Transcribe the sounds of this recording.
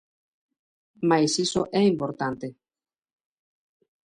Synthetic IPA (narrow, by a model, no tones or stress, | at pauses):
majsisoʔɛimpoɾt̪ant̪e